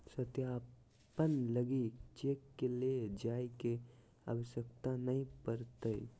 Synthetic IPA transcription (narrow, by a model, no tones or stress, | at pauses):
sət̪jaː | pənləɡit͡ʃeːkːeled͡ʒaːike | a̰ʋəʃjək̚t̪anəɦĩpəɾt̪əḭ